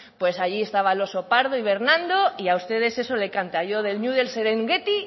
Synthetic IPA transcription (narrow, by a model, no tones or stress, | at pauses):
pwe̞saʝiest̪aβ̞alo̞so̞paɾðoiβe̞ɾnãnd̪o̞iaust̪e̞ð̞e̞se̞so̞le̞kant̪aʝo̞ð̞e̞lɲuðe̞lse̞ɾeŋɡe̞t̪i